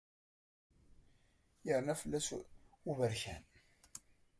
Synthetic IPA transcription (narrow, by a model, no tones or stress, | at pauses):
jəɾnæfəlːæsuvəɾçæ̰n